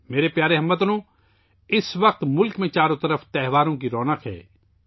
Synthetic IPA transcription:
meːɾepjaːɾeɦɐmːət̪ənõː | ɪsʋɐq̚t̪mʊlkmẽt͡ʃaːɾõt̪ɐɾəft̪ɛɦʋaːɾõkiɾɔːnəqɦɛ̰ː

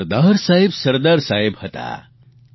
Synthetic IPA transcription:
ɾd̪aɾsaɦibsəɾd̪aɾsaibhət̪a̰

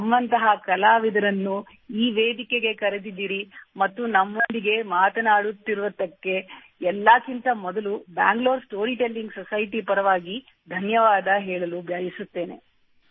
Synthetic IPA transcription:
ɐmʋɐnt̪ɐɦɐkɐlaːʋid̪ɐɾɐnːu | iːʋeːd̪ikeɡe̞kɐɾed̪id̪ːiːɾimɐt̪ːunɐmːond̪iɡe̞maːt̪ɐnaːɽut̪ːiɾuʋɐd̪ːɐkːe̞ | ɛlːakint̪ɐmɔd̪ɐluba̰ːŋɡlo̞ːɾsʈo̞ːɾiːʈelːiŋɡsɔsɐjʈipɐɾɐʋaːɡi | d̪ʱɐnjɐʋaːd̪ɐɦɛːɭɐlubʱjaːjisut̪ːe̞ːne̞̰

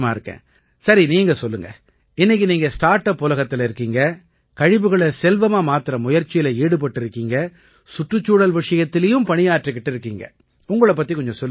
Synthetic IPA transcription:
maːɪɾɯkːḛ̃ː | sɐɾiniːŋɡɐsɔlːɯŋɡɐ | ɪnːɪk̬ːiniːŋɡɐsʈaːɾʈːɐpːʊlɐɣɐt̪ːɪlɪɾɯkːiːŋɡɐ | kɐɻɪʋɯɣɐɭɐsɛlʋɐmaːmaːt̪ɪɾɐmʊjɐɾt͡ʃɪjɪlɐeːɽɯp̬ɐʈːɪɾɯkːiːŋɡɐ | sʊʈrɯt͡ʃːuːɽɐlʋɪʂɐjɐt̪ːɪlɐjɯmpɐɳɪjaːɾʈrɯkːɪʈːɪɾɯkːiːŋɡɐ̰ | ʊŋɡɐɭɐpːɐt̪ːikɔɲd͡ʒɔ̃sɔlː

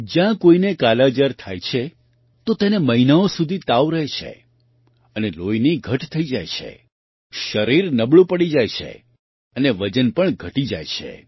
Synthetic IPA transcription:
d͡ʒjãkoinekalad͡ʒəɾt̪ʰajt͡ʃʰe | t̪ot̪eneməɦinaosud̪ʱit̪aʋɾəɦet͡ʃʰḛ | ənelojniɡʱəʈt̪ʰəid͡ʒajt͡ʃʰḛ | ʃəɾiɾnəbɭũpəɽid͡ʒajt͡ʃʰḛ | əneʋəd͡ʒənpəɳɡʱəʈid͡ʒa̰jt͡ʃʰḛ

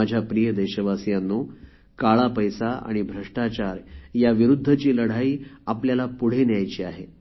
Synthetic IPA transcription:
ad͡ʑʱjapɾijəd̪eɕəʋasijanːo | kaɭapəjsaʔa̰ɽ̃ibʱɾəʂʈat͡ɕaɾjaʋiɾud̪ʱːət͡ɕiːləɽ̤aiːapljalapuɽ̤enjajt͡ɕiːaɦe

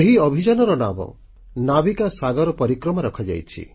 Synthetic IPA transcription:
eɦiɔbʱid͡ʒanɔɾɔnamɔ̰ | nabikasaɡɔɾɔpɔɾikɾɔmaɾɔkʰad͡ʒa̰jt͡ʃʰḭ

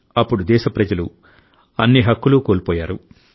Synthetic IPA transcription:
ɐpːuɽud̪ɛːʃɐpɾɐd͡ʒɐlṵ | ɐnːiɦɐkːulukoːlpɔːjaːɾu

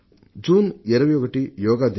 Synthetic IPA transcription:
d͡ʒuːnɛɾɐʋjoːɡɐʈijɔːɡaːd̪

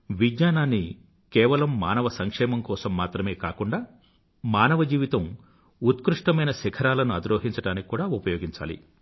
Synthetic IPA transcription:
ʋid̪ɲaːnaːnːi | kɛːʋɐlɐmːaːnɐʋɐsɐŋkʂɛːmɐmkɔːsɐmːaːt̪ɾɐme̞ːkaːkuɳɖaː | maːnɐʋɐd͡ʒiːʋit̪ɐm | ut̪kɾuʂʈɐmɐjnɐsɛkʰɐɾaːlɐnuɐd̪ɾoːɦiɲt͡ʃɐʈaːniki̥kuːɽaːupɐjoːɡiɲt͡ʃa̰ːlḭ

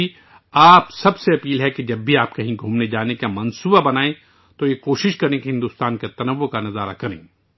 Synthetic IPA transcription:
i | aːpsɐbseɐpiːlɦɛkid͡ʒɐbbʱiaːp̚kɐɦĩɡʱuːmned͡ʒaːnekamɐnsuːbabɐnaːẽ | t̪ojekoːʃɪʃkɐɾẽkeɦɪ̃nd̪uːst̪aːnket̪ɐnɐʋokanɐzaːɾa̰kɐɾḛ̃ː

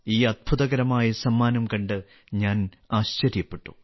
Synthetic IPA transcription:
iːɐd̪̚bʱuðɐɣɐɾɐmaːjɐsɐmːaːnɐmkɐɳɖɨ | ɲaːn | aːɕt͡ɕɐɾjɐpːe̞ʈːu

